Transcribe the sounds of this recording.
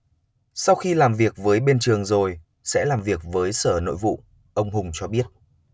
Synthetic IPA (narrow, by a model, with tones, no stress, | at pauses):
sa˧wxi˧laː˨˩mvi˨˩ək̚vəː˨˦jɓe˧nt͡ɕɨ˨˩əŋzo˨˩j | sɛ̰˧˥laː˨˩mvi˨˩ək̚vəː˨˦jsəː˧˩no̰˧˨jvṵ˧˨ | ʔə˧wŋ͡mhʊ˨˧ŋ͡mt͡ɕɔ˧ɓi˦˥ət̚